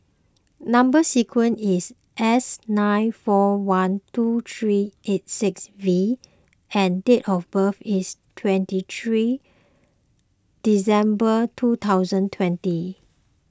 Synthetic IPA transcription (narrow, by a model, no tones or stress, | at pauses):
nãmbəsikʰwə̃nis | ʔɛsnãɪnfɔwãntut̪ʰɹiet̚sɪksvi | ɛ̃ndetɔfbəfistʰwɛ̃ntit̪ʰɹi | d̥isɛ̃mbətʰut̪ʰaʊzə̃ntʰwɛ̃nti